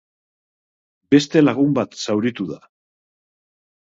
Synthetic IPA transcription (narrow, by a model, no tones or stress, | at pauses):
be̞st̪e̞laɣumbat̪sawɾit̪uða